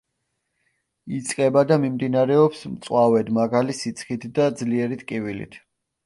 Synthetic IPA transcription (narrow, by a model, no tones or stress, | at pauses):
it̪sʼqʼɛbad̪amimd̪inaɾɛɔpsmt̪sʼwavɛd̪maɡalisit̪sʰχit̪ʰd̪ad̪zliɛɾit̪ʼkʼivilḭt̪ʰ